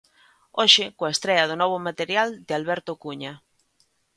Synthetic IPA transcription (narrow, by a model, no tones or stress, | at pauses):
oʃɪkoaest̪ɾɛɐð̞ʊnɔβ̞ʊmat̪eɾjald̪ɪalβɛɾt̪ʊkuɲa